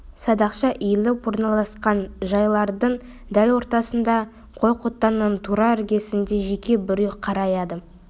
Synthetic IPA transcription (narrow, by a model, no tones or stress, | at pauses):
sɑd̪ɑqʃɑʔijlɪwo̞ɾnɑlˠɑsqɑnʒɑjlˠɑɾd̪əɴ | d̪ælwo̞ɾt̪ɑsənd̪ɑ | qʰo̞jqʰot̪ːɑnːənt̪ʰuɾɑɪɾɡʲe̞sɪnd̪e̞ʒe̞kʲe̞bɪɾejqʰɑɾɑjɑd̪ə